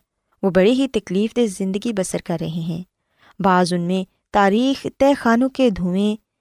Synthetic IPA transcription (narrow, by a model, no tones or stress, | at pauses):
ʋoːbɐɽeɦit̪ɐkliːfd̪ezɪ̃nd̪əɡibɐsəɾkɐɾːɐɦeɦɛ̃ː | baːzʊnmẽ | t̪aːɾiːxt̪ɛːxaːnõked̪ʱuːmẽ